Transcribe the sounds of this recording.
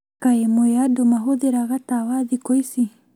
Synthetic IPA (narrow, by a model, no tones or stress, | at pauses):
kaemɔeadomaɦoðeɾaɣatawaðikɔisi